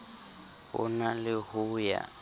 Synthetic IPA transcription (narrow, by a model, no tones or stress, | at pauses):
hʊ̰nalɪhʊːja̰